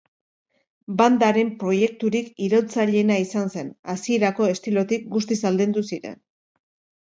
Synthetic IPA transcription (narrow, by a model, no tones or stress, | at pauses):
band̪aɾe̞mpɾo̞je̞k̚t̪uɾikiɾot͡saʎe̞naisanse̞nasie̞ɾako̞e̞st̪ilo̞t̪ik̚ɡust̪isald̪end̪usiɾe̞̰n